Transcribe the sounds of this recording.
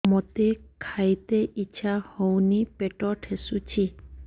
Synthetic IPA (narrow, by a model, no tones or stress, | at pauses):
mot̪ekʰajt̪eʔit͡ɕʰahownipeʈɔʈʰesut͡ɕʰi